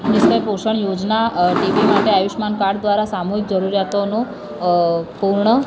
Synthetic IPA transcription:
nɪskəjpoʃəɳjod͡ʒnaʈiʋimaʈeajuʃmankaɽd̪ʋaɾasamuɦik̚d͡ʒəɾuɾjat̪onũ | puɾɳə

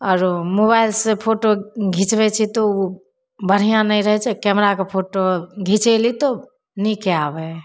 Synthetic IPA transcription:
ɔːɾmobaɪlsẽpʰoʈoɡʱit͡ʃbɛt͡ʃʰɛt̪ɔu | bəɽ̤ijãnəiɾəɦɛt͡ʃʰɛkɛmɾakepʰoʈoɡʱit͡ʃɛlit̪o | nikeabɛ

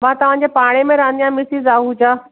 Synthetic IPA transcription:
mãːt̪ɐʋ̤ãɲd͡ʑepaːɽ̃emẽɾãːnd̪ijãmɪsizaːɦũd͡ʑaː

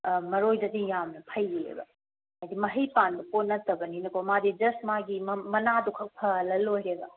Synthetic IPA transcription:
mɐɾojdɐdijamnɐpʰɐjɾḛbɐ̰ | mɐjdimɐɦijpanbɐponːɐtɐbɐninɐkomadid͡ʒɐsmaɡimmɐnadukʰɐk̚pʰɐlɐlojɾebɐ

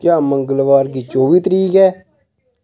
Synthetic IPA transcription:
kjaːməŋɡəlʋaːɾɡit͡ʃoːʋiːt̪əɾiːkɛː

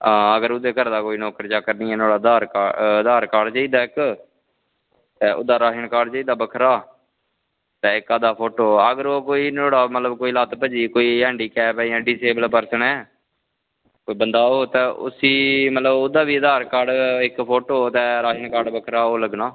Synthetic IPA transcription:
ãːəɡəɾʊd̪eːkəɾd̪aːkoːiːnɔːkəɾt͡ʃaːkəɾniːɛːnoːɽaːd̪aːɾkaəd̪aːɾkaːɖt͡ʃaːiːd̪aːɪk | t̪ɛːʔʊ̰d̪aːɾaːʃəɳkaːɖt͡ʃaiːd̪aːbəkʰɾaː | t̪ɛːɪkaːd̪aːpʰoːʈoːəɡəɾoːkoːiːnoːɽaːmət̪ləbkoːiːlaːt̪pəd͡ʒiːkoːiːɦɛːɳɖiːkɛːpɛiãːɖiːseːbəlpəɾsənɛː | koːibənd̪aːoːt̪ɛ̃ːʔʊ̰siːmət̪ləbod̪aːbiːəd̪aːɾkaːɾɖɪkpʰoːʈooːt̪ɛ̃ːɾaːʃəɳkaːɖbəkʰɾaːoːləɡnaː

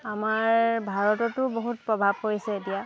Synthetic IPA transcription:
amaɹbʱaɹɔtɔtʊboɦutpɹɔbʱab̚kojsɛetija

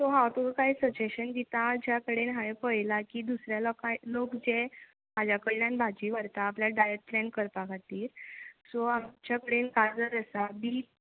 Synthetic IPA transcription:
sɔɦawt̪okaɦjsəd͡ʑeɕənɡit̪ad͡ʑjakəɽenɦaʋepəjlakiːd̪usɾjalakajlokd͡ze | mad͡ʑakəɭɳjãnbʱad͡ʑiːʋəɾt̪aːpljaɖajek̚ʈɾẽɳkəɾt̪akʰat̪iːɾsɔamt͡ɕjakəɽenkaɾd͡zəɾəsabiː

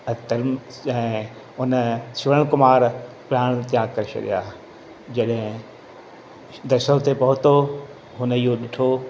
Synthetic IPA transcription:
t̪ɐɾm | ɛ̃ː | ʊnəsɪʋɽəɽ̃kʊmaːɾ | pɪjaːɽ̃t̪ijãːkɐɾʃʰɐ̰ɗḭjaː | d͡ʑɐɗɦɪ̃ | d̪ɐʃət̪epɐɦʊt̪o | ɦʊniɦoɗɪʈʰo

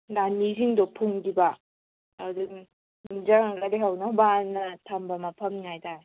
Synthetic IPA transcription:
laniziŋdɔpʰuŋdibaː | duŋ | uzaŋladeɦawnabanːatʰambamapʰɐmŋajda

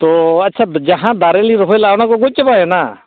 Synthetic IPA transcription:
t̪oːɐtːʃʰaːd͡ʒəɦãːd̪aːɾeːliːɾoɦelaːnãːkoɡʊt͡ʃːpaːeːnaː

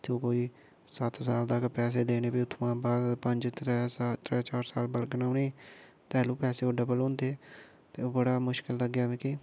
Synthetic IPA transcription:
t̪ʰːõːkoːiː | sət̪ʰsaːld̪aːkpɛːs̬eːd̪eːneːpiːʊt̪ʰmãːbaːd̪pəɲd͡ʒt̪ɾɛːsat̪ɾɛːt͡ʃaːɾsaːlbəlɡənaːneː | t̪ɛːlũːpɛːseːʊɖəbəlõːnd̪eː | t̪eːoːbəɽaːmʊʃkɪlːəɡːjaːʋẽːkiː

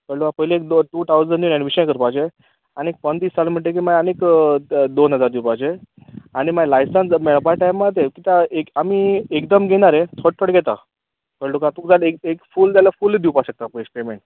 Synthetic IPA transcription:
kəɭukapəɦileːkd̪oʈuːt̪ʰawd͡zəɳɖjunãnʋiɕəj̃kəɾpad͡ʑe | anek̚pənt̪iːssalmiʈ̬ek̬imajanekd̪onɦəd͡zaɾd̪iwpaɦd͡ʑe | aɽ̃imajlajsənsmeɭbajʈajmːat̪̬ekit̪aekamiekd̪əmɡʱeɽ̃aɾẽt̪ʰəɽ̚t̪ʰəɽɡʱɛt̪a̰ | kəlukat̪ukd͡zalekekfuːlt̪jalafuled̪iwpaɕək̚t̪appemeɳʈ

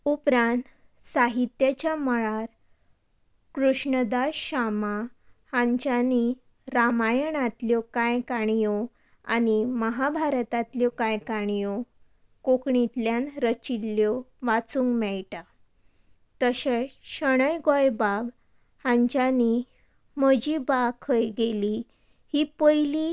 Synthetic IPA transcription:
upɾãnt̪ | saɦit̪jat͡ɕjaməɭaɾ | kɾuʂɳəd̪aɕamahãɲt͡ɕani | ɾamajəɳat̪ljɔkajkaɳijɔ | animəɦabʱaɾət̪at̪ljɔkajkaɳ̃ijɔ | kokɳit̪ljanɾət͡ɕilːjɔʋat͡suŋɡmɛɭʈa | t̪əɕẽɕəɽ̃əjɡɔjbab | hãɲt͡ɕani | məd͡ʑibakʰəjɡeli | hiːpəjli

